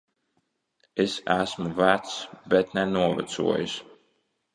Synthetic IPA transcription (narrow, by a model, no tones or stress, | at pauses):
esæsmuvæt̪sbɛt̪nɛnuɔvæ̰t̪sṵɔjṵs